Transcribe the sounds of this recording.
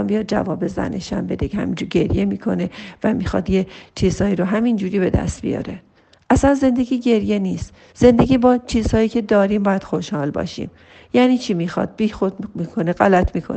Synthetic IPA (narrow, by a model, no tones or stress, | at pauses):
mbijɒːd̪̚d͡ʒæ̰vɒːbe̞zæ̰neʃæ̰mbe̞d̪eehæ̰mind͡ʒuɾɟe̞ɾjemiːkʰo̞ne̞væmiːxɒ̰d̪jet͡ʃʰiːz̥hɒːiːɾoɦæmind͡ʒuːɾiːbe̞d̪æ̰st̪̚bḭjɒ̰ːɾe̞ | ʔæsænze̞nd̪e̞ɡiːɟe̞ɾje̞niːst̪ | z̥e̞nd̪e̞ɟʲiːbɒːt͡ʃʰiːz̥hɒːjiːcʰe̞d̪ɒːɾiːmbɒːjæd̪̥xoʃhɒːlbɒ̰ːʃḭːm | jæːniːt͡ʃʰimiːxɒ̰d̪̚biːxod̪miːkʰo̞neɣælæt̪ʰmiːkʰo̰